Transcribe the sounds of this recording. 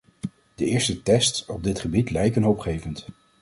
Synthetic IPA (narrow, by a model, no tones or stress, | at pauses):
d̥əɪːɹstətɛstsɔb̚dɪtχəbitlɛjkənɦowpχejvənt